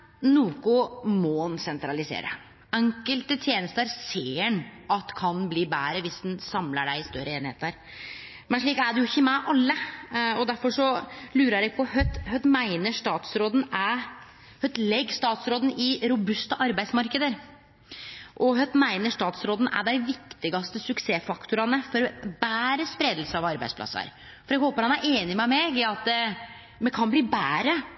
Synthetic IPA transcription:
nuːkʊmɔnsɛnt̪ɾɑlɪsḛːɾə̰ | ɛŋkəlt̪ət̪ʰjeːnəst̪əəɾseːənɑt̪kʰɑnbliːbæːɾəʋɪsd̪ɛnsɑmləɖæɪɪst̪œɾəeːnɪhḛːt̪æɾ | mɛnʂɭiːkæɖɛjʊɪçːəmɛʔɑlːəɔd̪æɾfɔʂɔlʉːɾəɾæɪk̚pʰɔhœt̪ːhœt̪ːmæɪnəʂt̪ɑːt̪sɾoːd̪n̩æ | hœt̪lɛɡːst̪ɑːt̪sɾoːd̪n̩ɪɾʊbʉst̪əʔɑɾbæɪsmɑɾkəd̪əɾ | ʔɔɦœt̪ːmæɪnəʂt̪ɑːt̪sɾoːd̪n̩ʔæ̰ɖæɪʋɪkt̪ɪɡɑst̪əsʉkseːfɑkt̪ʰʊɾɑnəfɔɾbæːɾəspɾeːd̪l̩səɑʋɑɾbæɪspʰlɑ̰sːə̰ɾ | fɔɾjæɡhoːpəɾhɑnæɾʔeːnɪmɛmɛɡɪɑt̪̚d̪ɛ | mɛkʰɑnbliːbæːɾə

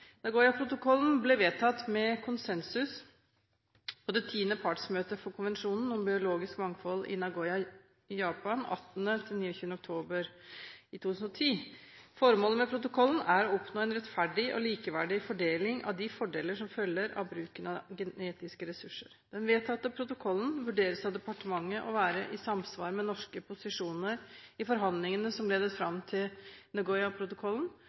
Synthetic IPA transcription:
nɑɡoːʏɑpʰɾʊt̪ʊkʰɔln̩blɛʋeːt̪ʰɑt̪mɛkʰʊnsɛnsʉs | pʰɔd̪ɛt̪ʰiːnəpʰɑʈsmøːt̪əfɔɾkʰʊnʋɛnʂuːnn̩ɔmbɪʊloːɡɪskmɑŋfɔlɪ̰nɑɡoʏɑ | jɑːpɑnɑ̰t̪ːənət̪ʰɪlniːɔçʉːənɔk̚t̪ʰoːbəɾɪt̪ʰuːt̪ʰʉsnɔt̪ʰiːfɔɾmoːləmɛpʰɾʊt̪ʊkʰɔln̩æɾɔɔpnoːɛnɾɛt̪fæɖɪʔɔ̰liːkəʋæɖɪfɔɖeːlɪŋʔɑ̰ʋd̪ɪfɔɖeːləʂɔmfœlːəɾɑ̰ʋbɾʉːkənɑɡɛneːt̪ɪskəɾɛsʉʂːəɾd̪̥ɛnʋeːt̪ɑt̪̚ɛpʰɾʊt̪ʊkʰɔlːən̩ʋʉɖeːɾəsɑʋd̪ɛpɑʈəmɑŋːəʔɔʋæːɾəʔɪsɑmsʋɑ̰ːɾmɛnɔʂkəpʰʊsɪʂuːnəɾɪfɔɾɦɑnd̪lɪŋənəsɔmleːd̪əsfɾɑmt̪ʰɪlnɛɡɔʏɑpʰɾʊt̪ʊkʰɔln

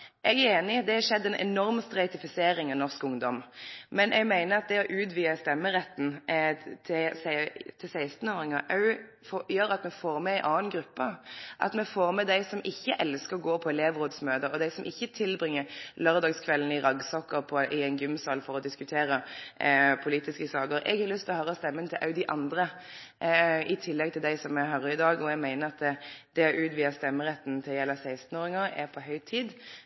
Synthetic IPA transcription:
ʔɛɡæɾeːnɪd̪ɛhɑʂɛd̪ːɛnʔɛ̰nɔʁmst̪ʁɛɪt̪ɪfɪseːɾɪŋɑnɔʁskʊŋd̪ɔmmɛnʔɛɡmæɪnəʁɑt̪̚d̪ɛɔʔʉːt̪ʋiːəst̪ɛmːəɾɛt̪ːn̩t̪ʰɪst̪ʰɪlsæɪst̪n̩oːɾɪŋɑʔɑʉ | fjøːɾɑt̪mɛfoːʁmɛæɪʔɑːnɡɾʉpːəʔɑ̰t̪mɛfoːʁmɛd̪æɪsɔmɪçːəʔɛlskəʁɔɡoːpʰɔɛleːʋʁoːd̪smøːd̪əɾɔd̪æɪsɔmʔɪçːət̪ʰɪlbʁɪŋːəlœʁd̪ɑːɡskʰʋɛlənɪʁɑɡsɔkːəʁpʰɔʔɪɛnɡʉmsɑːlfɔɾɔd̪ɪskʉt̪ʰeːɾə | pʰʊliːt̪ɪskəsɑːɡəɾʔɛ̰ɡhɑɾlʏst̪ɪlɔhɑːɾɔst̪ɛmːənt̪ʰɪlʔɑ̰ʉd̪ɪʔɑnd̪ɾə | ɪt̪ʰɪlːɛɡ̚t̪ʰɪld̪æɪsɔmɛhœʁəɪd̪ɑːɡɔɛɡmæɪnəɾɑt̪̚d̪ɛd̪̥ɛæɾʉːt̪ʋiːɑst̪ɛmːəɾɛt̪ːn̩t̪ʰɪljɛlɑsæɪst̪n̩oːɾɪŋəʁɛpʰɔɦœʏt̪ʰiːd̪

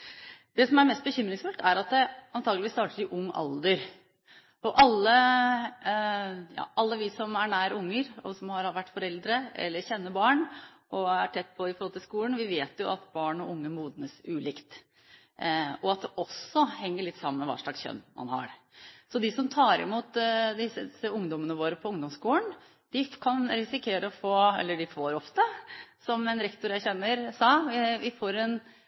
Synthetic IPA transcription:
d̪̥ɛsɔmæɾmɛst̪̚bəçʏmɾɪŋsfʉlt̪æɾɑt̪̚d̪ɛɑnt̪ʰɑːɡlʋiːst̪ɑːʈəɾɪʔʊŋːʔɑ̰ld̪əɾ | ɔʔɑlːə | jɑ̰ːʔɑlːəʋɪsɔmæɳæːɾəʊŋːəɾɔsɔmhɑɾʋæʈːfɔɾɛld̪ɾəɛ̰lːəɾɕɛnːəbɑːɳ | ʔɔæʈʰɛt̪ːpʰɔɪfɔɾhɔlt̪ʰɪlskuːlən̩ʋɪʋeːt̪jʊʔɑt̪bɑːɳɔʊŋːəmuːd̪nəsʉːlɪkt̪ | ɔɑt̪̚d̪ɛʔɔsːɔhɛŋːəɭɪt̪ːsɑmːənmɛʋɑ̰ːʂɭɑ̰ksçœ̰nːmʔɑ̰nhɑ̰ɾ | sɔd̪ɪsɔmt̪ʰɑːɾɪ̰muːt̪d̪ɪsəsəʊŋd̪ɔmənəʋoːɾəpʰɔʊŋd̪ɔmskuːlən | d̪̥ɪkʰɑnɾɪsɪkʰeːɾəɔfoːɛ̰lːəɖɪfoːɾɔft̪əsɔmɛnɾɛkt̪ʊɾjæɪçɛnːəɾsɑːɪʋɪfoːɾɛn

